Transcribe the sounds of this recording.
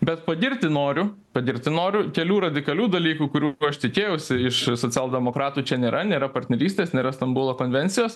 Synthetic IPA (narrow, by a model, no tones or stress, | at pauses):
bʲɛt̪pɐd̪ʲɪɾʲt̪ʲɪnoːɾʲʊ | pɐd̪ʲɪɾʲt̪ʲɪnoːɾʲʊkʲɛlʲuːɾɐd̪ʲɪkɐlʲuːd̪ɐlʲiːkuːkʊɾʲuɐʃt̪ʲɪkʲeːjɛʊsʲɪɪʃsoːt͡sʲɛlˠd̪ʲɛmoːkɾɑːt̪uːt͡ʃʲɛnʲeːɾʔɐnʲeːɾɐpɐɾʲt̪ʲnʲɛɾʲiːsʲt̪ʲeːsnʲeːɾɐst̪ɐmbʊlˠoːkoːnʲʋʲɛnʲtsʲɪjoːs